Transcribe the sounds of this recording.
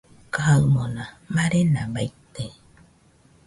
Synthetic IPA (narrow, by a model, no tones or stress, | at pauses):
kaaɨmõnã | maɾenãbajt̪e